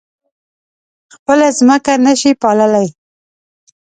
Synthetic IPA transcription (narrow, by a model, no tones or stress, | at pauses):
xpəlazməkanəʃipɑləlaj